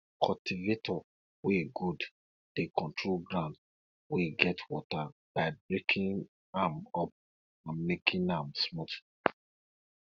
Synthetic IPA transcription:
kʰɔltivetɔ | weɡud | d̥ekʰɔ̃ntʰɹolɡɹãnd | weɡɛtwɔtab̥aɪbɹekʰĩn | amɔp̚ | ãnmekʰĩnamsmɔt

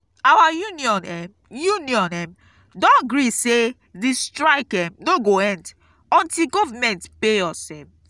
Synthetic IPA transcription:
awajuniɔ̃nɛm | juniɔ̃nɛm | dɔ̃nɡɹise | distɹaɪkɛ̃mnoɡoɛ̃nd | ɔ̃ntiɡɔvamɛ̃ntpeɔsɛ̃m

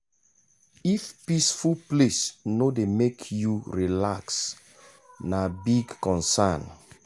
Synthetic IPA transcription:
ifpisfulplesnodemekʰjuɹilaks | nabiɡkɔ̃nsan

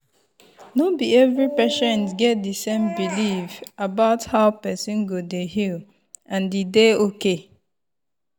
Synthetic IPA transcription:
nobiɛvɹipɛʃɛ̃ntɡɛt̚disẽmbilifabaʊthaʊpɛsĩnɡodehil | ãndideoke

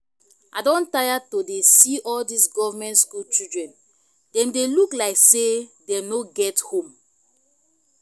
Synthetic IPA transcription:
adɔ̃ntajatodesiʔɔldisɡɔvamɛ̃ntskult͡ʃidɹɛ̃n | dɛ̃mdeluklaɪksedɛ̃mnoɡɛthõm

